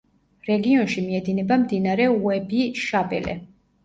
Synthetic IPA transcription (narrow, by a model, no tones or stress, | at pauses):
ɾɛɡiɔnʃimiɛd̪inɛbamd̪inaɾɛuɛbiʃabɛ̰lɛ̰